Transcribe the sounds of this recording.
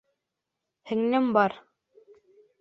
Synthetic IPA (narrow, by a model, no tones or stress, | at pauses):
hɘ̆ŋnɘmbɑɾ